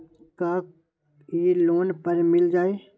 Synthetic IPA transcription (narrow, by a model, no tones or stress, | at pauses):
ka | eloːnpəɾmɪld͡ʒaːeː